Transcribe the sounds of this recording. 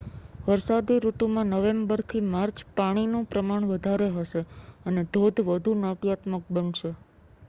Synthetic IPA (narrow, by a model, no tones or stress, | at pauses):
ʋəɾsad̪iɾut̪umãnəʋembəɾt̪ʰimaɾt͡ʃpaɽ̃inũpɾəmaɳ̃ʋəd̪ʱaɾeɦəʃeəned̪ʱod̪ʱʋəd̪ʱunəʈjat̪mək̚bənʃe